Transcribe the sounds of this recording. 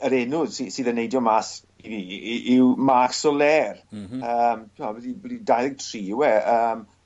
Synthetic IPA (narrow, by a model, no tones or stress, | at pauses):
əɾɛnʊð̥sisiːðənːejdjɔmas | iðiʔɪwmaksɔlɛːrəːmtʰavɛdibɛdidajləɡ̚tʰriːwɛəːm